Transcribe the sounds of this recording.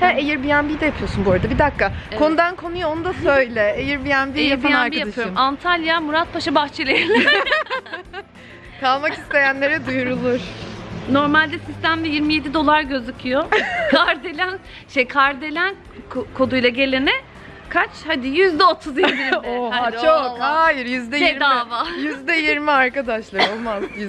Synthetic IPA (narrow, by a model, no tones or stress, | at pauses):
hæejiɾbijænbijd̪ɛjapʰɯjo̞sunboɾad̪abid̪akːakʰo̞nud̪ankʰo̞nujoonud̪asøjlʲɛejiɾbijænbiejaɾpajanɾkbijaapʰɯoɾmant̪ʰalʲjamuɾat̪̚pʰaʃabaxt͡ʃʰelʲejilʲ | kʰalˠmaki̥st̪ʰe̞jænlʲe̞ɾɛd̪ujuɾulˠuɾ̥no̞ɾmalʲd̪ɛsist̪ʰæmd̪ɛjiɾmije̞d̪id̪o̞lˠaɾɟø̞zycʰyjokʰaɾd̪e̞lʲæn | ʃejkʰaɾd̪e̞lʲæn | kʰkʰo̞d̪ujlˠaɟe̞lʲenɪ | kʰat͡ʃhad̪ɪjyzd̪ɛot̪ʰuziɾbiɾat͡ʃokhaːjiɾjyzd̪ɛjeiɾd̪avajyzd̪ɛjiɾmiaɾkad̪aʃlˠaɾɾo̞lˠmazj